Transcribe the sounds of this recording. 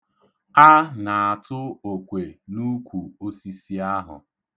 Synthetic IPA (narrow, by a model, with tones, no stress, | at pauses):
a˦na˨a˨tʊ˦o˨kʷe˨nu˦kʷu˨o˦si˦si˦a˦ɦʊ̰˨